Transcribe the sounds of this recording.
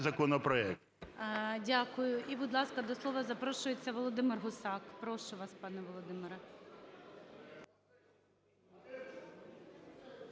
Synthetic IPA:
zɐkɔnɔpɾɔɛk̚t̪ | dʲakʊjʊʔibʊd̪lˠɑskɐd̪ɔslˠɔʋɐzɐpɾɔʃʊjet͡sʲːɐʋɔlˠɔd̪ɪmɪrɦʊsɑkpɾɔʃʊʋɑspɑnɛʋɔlˠɔd̪ɪmɪɾɐ

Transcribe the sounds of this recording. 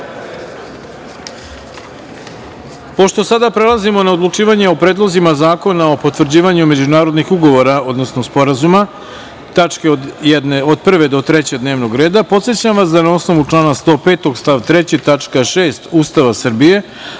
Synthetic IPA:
po̞ʃt̪o̞sad̪apɾe̞lˠazimo̞nao̞d̪lˠut͡ʂiːʋaɲe̞o̞pɾeːd̪lˠo̞zimazaːko̞nao̞po̞t̪ʋr̩d͡ʑiːʋaɲume̞d͡ʑunaːɾod̪nixuɡo̞ʋo̞ɾao̞d̪no̞sno̞spo̞ɾazuma | t̪at͡ʂkeod̪jed̪eod̪̚pr̩ʋe̞d̪o̞t̪ɾet͡ɕed̪ne̞ːʋno̞ɡɾe̞ːd̪apo̞t̪sjet͡ɕamʋasd̪anao̞sno̞ʋut͡ʂlˠaːnast̪o̞ːpe̞ːt̪o̞ɡst̪aʋt̪ɾet͡ɕit̪at͡ʂkaʂeːst̪uːst̪aʋasr̩bije̞

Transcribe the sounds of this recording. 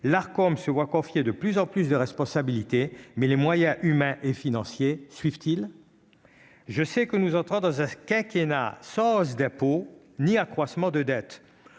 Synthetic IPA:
laʁkɔmsəvwakɔ̃fjed̪əplyzɑ̃plysd̪əʁɛspɔ̃sabilit̪emɛlemwajɛ̃ʔymɛ̃ʔefinɑ̃sjesɥivt̪il | ʒəsɛkənuzɑ̃t̪χɔ̃d̪ɑ̃zɛ̃kʲɛ̃kena̰sɑ̃sd̪ɛ̃po | niakχwasmɑ̃d̪əd̪ɛt̪

